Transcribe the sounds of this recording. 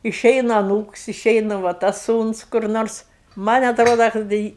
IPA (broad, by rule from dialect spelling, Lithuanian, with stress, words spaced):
ɪˈʃʲɛɪnɐ ɐˈnuːks ɪˈʃʲɛɪnɐ ʋɐ ˈtɐs ˈsuːns kʊr ˈnoːrs ˈmɐnʲ ɐtˈroːdɐ kɐt dɐ ˈɪ